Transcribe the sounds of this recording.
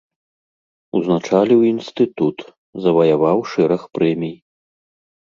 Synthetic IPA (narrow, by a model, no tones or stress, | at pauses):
uznat͡ʂalʲiwinst̪ɨt̪ut̪ | zɐvɐjavawʂɛɾɐxpɾɛmʲij